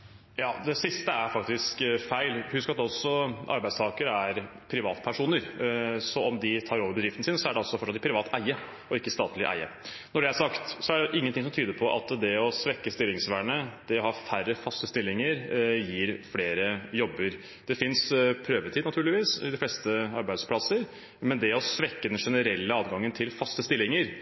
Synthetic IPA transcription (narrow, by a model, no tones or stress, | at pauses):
jɑːd̪ɛsɪst̪əæɾfɑkt̪ɪskfæɪlhʉskɑt̪ɔsɔʔɑ̰ɾbæɪst̪ʰɑːkəɾəæɾ | pʰɾɪʋɑ̰ːt̪pʰæʂuːnəɾsɔɔmd̪ɪt̪ʰɑːɾoːʋəɾbəd̪ɾɪft̪n̩sɪnsɔæɖɛɔsːɔfɔʈːʂɑt̪ɪkpʰɾɪʋɑːt̪ʰæɪə | ɔɪkːəst̪ɑːt̪lɪʔæ̰ɪə̰ | nɔɖɛæɾsɑkt̪sɔæɖɛʔɪŋːənt̪ɪŋsɔmt̪ʰyːd̪əpʰɔʔɑ̰t̪d̪ɛɔsʋɛkːəst̪ɪlːɪŋsʋæːɳəd̪̥ɛɔhɑfærəfɑst̪əst̪ɪlːɪŋəɾjiːɾfleːɾəjɔbːəɾ | d̪̥ɛfɪnspʰɾøːʋət̪ʰiːd̪nɑt̪ʉːɭɪʋiːsɪ̰d̪ɪflɛst̪əɑɾbæɪd̪spʰlɑsəɾ | mɛnd̪ɛɔsʋɛkːəd̪ɛnʂɛnəɾɛlːəɑːd̪ɡɑŋːənt̪ʰɪlfɑst̪əst̪ɪlːɪŋəɾ